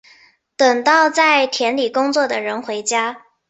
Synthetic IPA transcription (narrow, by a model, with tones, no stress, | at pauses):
t̪ə˨˩ŋt̪ɑ˥˧ʊt͡sa˥˩ɪt̪ʰjɛ˧˥nli˨˩kʊ˥ŋt͡swɔ˥˩d̪ə˩ɻə˧˥nxwe˧˥ɪt͡ɕja˥